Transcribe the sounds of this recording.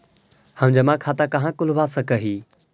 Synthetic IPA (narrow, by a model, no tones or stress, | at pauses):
həmd͡ʒəmãkʰaːt̪akɐɦãkʊlbasəkəɦiː